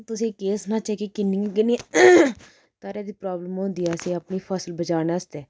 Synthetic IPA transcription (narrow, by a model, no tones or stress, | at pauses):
t̪ʊsĩːkeːsnaːt͡ʃakekɪnːĩkɪni | t̪əːɾɛːd̪iːpɾaːbləmɦõːnd̪iɛːseːəpniːpʰəsəlbət͡ʃaːnaːst̪ɛː